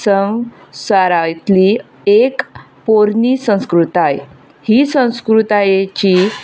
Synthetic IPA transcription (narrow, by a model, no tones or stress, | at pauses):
səwsaɾajt̪li | ek | poɾnisə̃w̃skɾut̪aj | hisə̃w̃skɾut̪ajet͡ɕiː